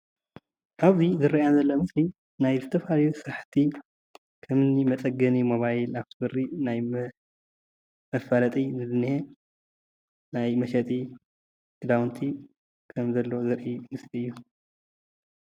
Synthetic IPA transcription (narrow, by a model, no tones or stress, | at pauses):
ʔaβzizɨɾːɐjazɐlːomɨsli | najzɨt̪ʰɐfalɐjusɨɾaħt̪ʰi | kʰɐmɨnimɐt͡s̪ʼɐɡɐnimo̞βajlaβt̪ʰɨbɨrːinaj | mɐfalɐt̪ʼizɨlɨnːihe | najmɐʃɐt̪ʼi | ɡ̥ɨd̪awnt̪ʰi | kʰɐmzɐlːozɨɾʔimɨsliɨjːu